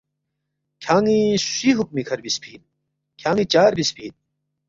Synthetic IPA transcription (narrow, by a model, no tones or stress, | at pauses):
kʲʰaːŋisiɦuk̚mikʰɐɾbispʰiːn | kʰjaːŋit͡ɕaːɾbispʰḭːn